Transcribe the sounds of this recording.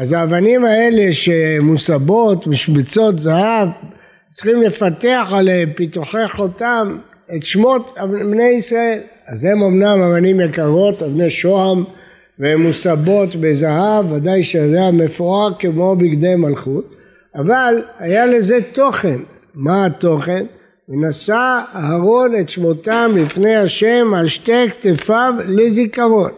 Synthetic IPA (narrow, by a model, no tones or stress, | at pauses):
azaːvanimae̞le̞ʃemusabo̞t̪biʃmit͡so̞t̪zahav | t͡siχimle̞fat̪eaχalepit̪uħeχotam | e̞tʃmo̞t̪abne̞jisʁae̞l | azhe̞momnamavanimjakaʁo̞t̪avneʃoam | vemusabo̞t̪bezaɦavːad̪ajʃeajame̞fuakemo̞bikd̪e̞jmalχut̪ | avalhajale̞ze̞t̪o̞χe̞n | maat̪o̞χe̞n | venasaaɦaʁo̞net̪ʃmo̞t̪amlifne̞jaʃe̞maʃt̪ekt̪efavlezikaʁo̞n